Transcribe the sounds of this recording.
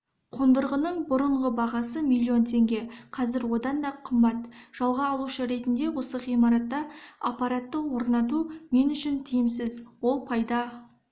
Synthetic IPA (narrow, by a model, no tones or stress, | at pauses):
qʰond̪əɾʁənəɴbʊɾəɴʁəbɑʁɑsəmilʲːio̞nt̪ʰe̞ŋɡʲe̞qʰɑzɪɾwo̞d̪ɑnd̪ɑqʰəmbɑt̪ʒ̥ɑlˠʁɑːlˠuʃəɾe̞t̪ɪnd̪e̞wo̞səʁijmɑɾɑt̪ːɑɑpːɑɾat̪ːəwo̞ɾnɑt̪̬ume̞nʏʃɪnt̪ʰijɪmsɪzwo̞lˠpʰɑjd̪ɑ